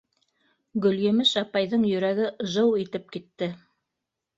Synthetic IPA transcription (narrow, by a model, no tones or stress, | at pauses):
ɡɵ̆ljɘ̆mɘʃɑpɑjðɤɴjɵ̆ɾæɡɘʒɤwit̪ɘp̚kit̪ːɘ